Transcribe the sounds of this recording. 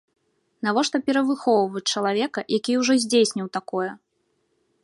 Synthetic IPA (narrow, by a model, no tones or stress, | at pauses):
navɔʂt̪ɔpʲɛɾɐvɨxɔwvɐt͡sʲt͡ʂɐlˠavʲɛkɐjʔakʲiuʐɔzʲd͡zʲesʲnʲiwt̪akɔjɛ